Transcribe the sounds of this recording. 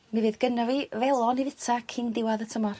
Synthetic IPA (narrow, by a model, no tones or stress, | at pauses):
nɛvɨðɡənɔvivɛlˠɔnivɪtʰakʰɪndɪwaðətʰəmɔr